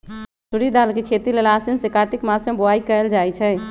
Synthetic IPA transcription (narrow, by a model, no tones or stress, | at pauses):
suɾid̪alkekʰet̪ilelasinsekaɾʈikmasẽboaikəld͡ʒajt͡ʃʰɛ